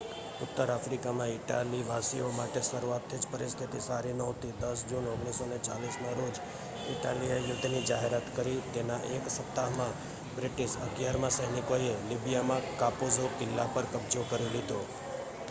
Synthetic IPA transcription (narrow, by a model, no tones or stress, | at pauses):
ʊt̪ːəɾafɾikamãɪʈaliʋasiomaʈesəɾuat̪ʰːid͡ʒpəɾist̪ʰit̪isaɾinəwt̪ʰid̪əsd͡ʒunoɡɳisonet͡ʃa̰lismãɾod͡ʒ | ɪʈaliejud̪ʱːinid͡ʒaɦeɾat̪kəɾit̪enaʔeksəp̚t̪aɦmã | bɾɪʈiʃəɡjaɾmãsəɦnikoelibijamãkapuzokɪlːapəɾkəbd͡ʒokəɾilid̪o